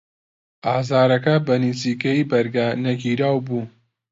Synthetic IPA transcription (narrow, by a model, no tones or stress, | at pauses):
ʔaːzaːɾɐkɐbɐniziːkɐjibɐɾɡɐnɐɡiːɾaːwbuː